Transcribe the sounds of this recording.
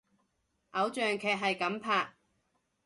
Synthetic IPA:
ʔɐ˨˥wt͡ʃœː˨ŋkʰɛː˨k̚ɦɐ˨jkɐ˨˧˥mpʰaː˨k̚

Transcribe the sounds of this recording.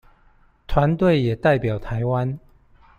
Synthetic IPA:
t̪ʰwa˨˧˦nt̪we˥˨ɪjɛ˨˩t̪a˥˨ɪpjɑ˨˩ʊt̪ʰa˨˦ɪwa˦n

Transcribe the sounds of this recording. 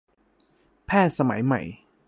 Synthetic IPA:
pʰɛː˥˩t̪̚sa˧ma̰˩˦jma̰˨˩j

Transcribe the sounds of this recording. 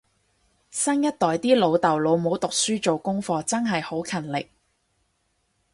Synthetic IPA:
sɐ˥njɐ˥t̚t̪ɔː˨jt̪iː˥lo˨˧wt̪ɐ˨˩wlo˨˧wmo˨˥wt̪ʊ˨k̚syː˥t͡so˨wkʊ˥ŋfɔː˧t͡sɐ˥nɦɐ˨jho˨˥wkʰɐ˨˩nlɪ˨k̚

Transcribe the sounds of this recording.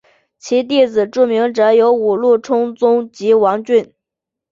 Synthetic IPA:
t͡ɕʰi˧˥t̪̬i˥˩d͡zɹ̩˨˩ʈ͡ʂu˥˩mi˧˥ŋʈ͡ʂɤ˧˥˦jo˧˥ʊu˨˩lu˥˩ʈ͡ʂʰʊ˥ŋt͡sʊ˥ŋt͡ɕi˧˥wɑ˧˥ŋt͡ɕy˥˩n

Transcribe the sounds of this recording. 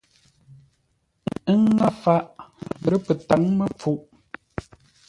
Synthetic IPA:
ə˦ŋ˦a˦fa˦ʔbə˨ɾə˦pə˨ta˨˦ŋmə˦p͡fu˦ʔ

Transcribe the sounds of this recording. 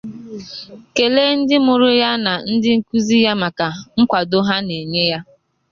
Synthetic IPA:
ke˨le˦n̩˦dɪ˦mʊ˨ɾʊ˦ja˦na˨n̩˦dɪ˦ŋ̩˨ku˦zi˦ja˦ma˨ka˨ŋ̩˦kʷa˨do˦ɦa˦ne˨ɲe˦ja˦

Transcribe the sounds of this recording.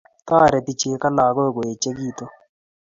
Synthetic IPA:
taː˦˨ɾɛ˨ti˦t͡ʃe˦ka˦laː˨ko˦kɔ˨e˨t͡ʃe˦k̬iː˦t̪ɔ˦

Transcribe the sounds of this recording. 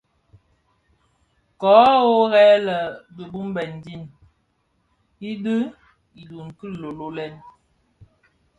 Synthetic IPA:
kɔː˨˦o˦ɣɛ˦lə˨bə˨bu˦m˦bɛ˨n˨di˦˨n | i˦də˦ | i˨du˨ŋ˨kə˦˨lo˨lo˦lɛ˦n

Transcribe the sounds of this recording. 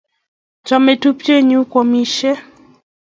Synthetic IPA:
t͡ʃɔ˨me˨tu˦pt͡ʃe˦ɲu˦kɔ˨mi˦ʃe˦

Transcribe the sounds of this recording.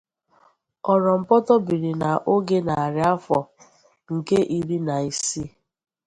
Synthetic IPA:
ɔ˨ɾɔ˨m̩˨pɔ˦tɔ˦bi˨ɾi˨na˨ʔo˦ɡe˦na˨a˨ɾɪ˨˦a˦fɔ˨ | ŋ̩˨ke˦ʔi˦ɾi˦na˨i˨si˦

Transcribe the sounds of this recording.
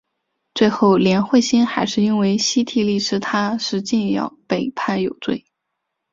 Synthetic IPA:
t͡swe˥˧ɪxo˥˩ʊljɛ˧˥nxwe˥˩ɪɕi˥nxa˧˥ɪʂɻ̩˥˧i˥nwe˥˩ɪɕi˥t̪ʰi˧˥˩li˥˩ʈ͡ʂʰɻ̩˥t̪ʰa˥ʂɻ̩˥˧t͡ɕi˥˧njɑ̰˨˧˩ʊpe˨˩ɪpʰa˥˩njo˨˩ʊt͡swe˥˩ɪ

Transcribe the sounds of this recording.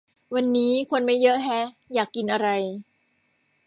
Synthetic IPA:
wa˧nːiː˦˥kʰo˧nma˥˩jɤ˦˥ʔɦɛ˦˥jaː˨˩kːi˧nʔa˧ɾa˧j

